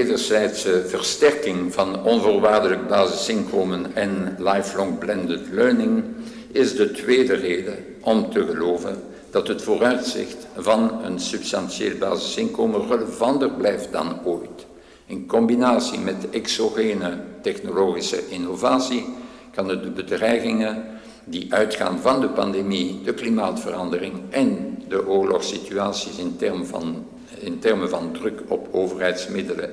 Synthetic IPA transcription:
dərzɛjtsəvərstɛrkɪŋvɑnɔnvoːrʋaːrdələkəbaːzɪsɪnkoːmənɛnlɑjflɔŋblɛndətløːnɪŋ | ɪzdətʋeːdəreːdə | ʔɔmtəɣəloːvə̰n | d̥ɑtɦətfoːrœɥtsɪ̰xtvɑnənsɵpstɑnsijeːləba̰ːzɪsɪnkoːmərələvɑndərblɛjft̚dɑ̰noːjt | ɪnkɔmbinaːsḭmɛtəʔɛksoɣeːnətɛxnoloːɣisə̰ʔɪnovaːsi | kɑnət̚dəbədrɛjɣɪŋə | diʔœɥtxa̰ːnvɑndəpɑ̰ndemidəklimaːtfərɑndərɪŋʔɛndəʔoːɹlɔxsityaːsisɪnɛ | ɪntɛrməvɑndrɵkɔpʰoːvərɦɛjtsmɪdələ̰

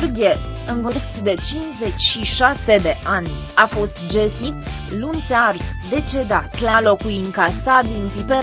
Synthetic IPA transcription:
rɡʲie | ɨŋkuɾst̪d̪e̞t͡ʃinze̞t͡ʃʲʃiʃase̞d̪e̞ʔanʲ | afo̞st̪d͡ʒesit̪ | lunt̪searvd̪e̞t͡ʃe̞d̪at̪lalo̞kujiŋkasad̪inpipe

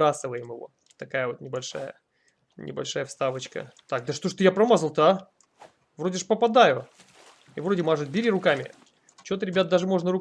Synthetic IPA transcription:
asɨvəjɪmɪvo̞̰ | t̪ɐkajəvo̞t̪nʲɪbɐlʲʂa̰jə̰ | nʲɪ̰bɐlʲʂajəfst̪avət͡ɕkə̰t̪ak̚d̪əʂt̪oʂt̪ojapɾɐmazəlˠt̪a | vɾo̞dʲɪʂpəpɐd̪ajʊ | ivɾo̞dʲɪmaʐɨt̪̚bʲɪɾʲiɾʊkamʲɪ̰ | t͡ɕot̪əɾʲɪbʲat̪̚d̪aʐɨmo̞ʐnəɾʊ

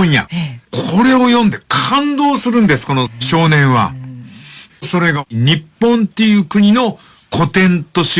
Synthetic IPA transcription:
ja̰kʰo̞ɾe̞o̞jõ̞nd̪e̞kʰãnd̪o̞ːsɨɾɯ̟̃nd̪e̞sɨ̥ko̞noɕo̞ːnẽ̞ɰ̃βa̰ | so̞ɾe̞ɡaɲ̟ipːõ̞nt̪e̞jɯ̟ːkɯ̟ɲ̟ino̞ | kʰo̞t̪ẽ̞nt̪o̞ɕi

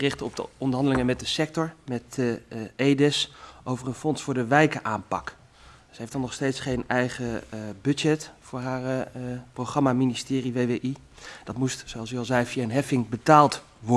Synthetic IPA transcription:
ərɪχtəɔb̚dəɔndəɹɦɑndəlɪŋəmɛt̚dəsɛk̚tɔɹmɛt | ejdɛsʔowvərənfɔnsfʊːɹdəʋɛjkəʔaːmpɑk | səɦefdɑnɔχstejtsχejnɛjχəbɵd͡ʒɛtfʊːɹɦaːrprowχrɑmaministɪːriʋejʋeʔi | d̥ɑtmustsoɑlˠsɪkɑlˠzɛjviaənɦɛfɪŋbətaːlˠt | ʋɔ

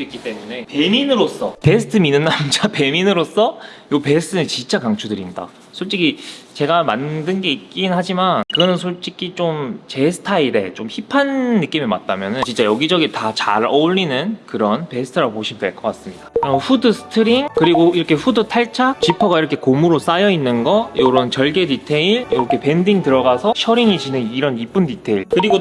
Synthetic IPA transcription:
oik͈it͈e̞mune̞pe̞minɯɾos͈ʌpe̞sʰɯ̥tʰɯminɯnːamnd͡ʑape̞minɯɾos͈ʌjope̞sʰɯ̥tʰɯnɯt͡ɕint͡ɕ͈akaŋt͡ɕʰudɯɾinda̰ | sʰoɭt͡ɕ͈iɡit͡ɕe̞ɡamandɯnɡe̞ik͈innhad͡ʑimankɯɡʌnɯnsʰoɭt͡ɕ͈ikʰit͡ɕomt͡ɕe̞sʰɯ̥tʰaiɾe̞t͡ɕomçipʰanːɯk͈imema̰t̚t͈amjʌnɯnt͡ɕint͡ɕ͈ajʌɡid͡ʑʌɡitat͡ɕaɾʌuʎːinɯnkɯɾʌnpe̞sʰɯ̥tʰɯɾapoɕʰimdeɭk͈ʌk͈as͈ɯmɲid̥aʌɸudɯsʰɯ̥tʰɯɾiŋkɯɾiɡoiɾʌkʰe̞ɸudɯtʰaɭt͡ɕʰat͡ɕipʰʌɡaiɾʌkʰe̞komuɾos͈ajʌinːɯnɡʌjoɾʌnt͡ɕʌɭɡe̞ditʰeiɭjoʌkʰe̞pe̞ndiŋtɯɾʌɡasʰʌɕʰʌɾiŋid͡ʑinɯniɾʌnip͈ɯnditʰeiɭkɯɾiɡo

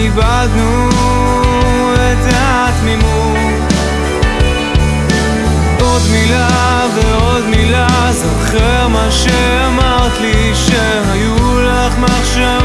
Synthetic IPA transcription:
ibad̪nu | ɛt̪a | t̪mimuu | od̪mila | veod̪mila | zoχeʁmaʃe | amaʁt̪li | ʃe | ɦaju | laχmaχʃa

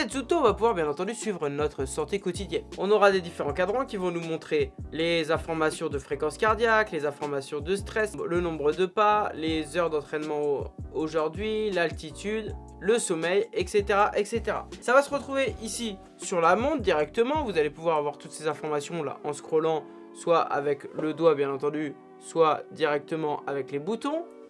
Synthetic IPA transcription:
sɛt̪zut̪õvapuvwaʁbjɛ̃nɑ̃t̪ɑ̃d̪ysɥivʁənɔt̪χəsɑ̃t̪ekɔt̪id̪jɛnɔ̃nɔʁad̪ed̪ifeʁɑ̃kad̪ʁɑ̃kʲivɔ̃numɔ̃t̪χelezɛ̃fɔʁmasjɔ̃d̪əfχekɑ̃skaʁd̪jaklezɛ̃fɔʁmasjɔ̃d̪əst̪χɛslənɔ̃bʁəd̪əpalezœʁd̪ɑ̃t̪χɛnmɑ̃oʒuʁd̪ɥilalt̪it̪ʰyd̪ | ləsɔmɛjɛkset̪eʁaʔɛkset̪eʁa̰savasəʁət̪χuveʔisi | syʁlamɔ̃t̪̚d̪iʁɛk̚t̪əmɑ̃vuzalepuvwaʁavwaʁt̪ut̪sezɛ̃fɔʁmasjɔ̃la̰ʔɑ̃skχɔlɑ̃ | swaʔa̰vɛkləd̪wabjɛ̃nɑ̃t̪ɑ̃d̪y | swad̪iʁɛk̚t̪əmɑ̃ʔavɛklebut̪ɔ̃

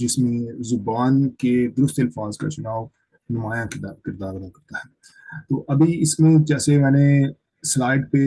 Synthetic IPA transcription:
d͡ʒɪsmẽzʊbaːnked̪ʊɾʊst̪əlfʰaːzka̰t͡ʃʊnaːo | nʊmaːjãːkɪɾd̪aːɾnaːkɐɾt̪aːɦɛː | t̪oːʔɐbʱiɪsmẽːd͡ʒɛːsemɛ̃ːnẽ | slaːɪɖpe

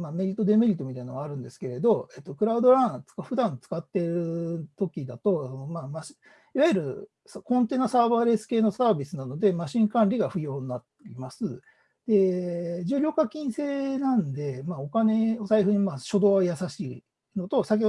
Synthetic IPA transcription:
mame̞ɾʲit̪ːo̞d̪e̞me̞ɾʲit̪ːo̞mit̪ainoaaɾɯ̟̃nd̪e̞sɨ̥ke̞ɾe̞d̪o̞e̞t̪ːo̞kɯɾaɯ̟d̪o̞ɾãt͡sɨ̥kaɸɯ̟d̪ãnt͡sɨ̥kat̪ːe̞ɾɯ̟t̪o̞kʲid̪at̪o̞sono̞maːmaɕi | iβajɯɾɯ̟ | skõ̞nt̪e̞ːnasaːβaːɾe̞sɨ̥ke̞ːno̞saːbʲisɨnano̞d̪e̞maɕĩŋkãnɾʲiɡaɸɯ̟jo̞ːnnːat̪ːʲimasɨ | d̪̥e̞d͡ʑɨːɾʲo̞ːkakʲĩɰ̃se̞ːnãnd̪e̞maːo̞kane̞osaiɸɯ̟ɲimaɕo̞d̪o̞ːajasaɕiː | no̞t̪o̞sak̬ʲe

